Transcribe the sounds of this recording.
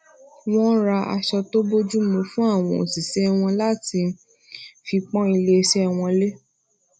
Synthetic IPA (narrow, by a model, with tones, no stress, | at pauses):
w̃ɔ̃˦ɾa˧a̰˧ʃɔ˧to˦bo˦d͡ʒu˦mũ˧fũ˦a˦˨w̃ɔ̃˧˨o̰˨si˨sɛ˦˧w̃ɔ̃˧la˦ti˧ | fi˧k͡pɔ̃˦i˧le˦˧ʃɛ˦˧w̃ɔ̃˧le˦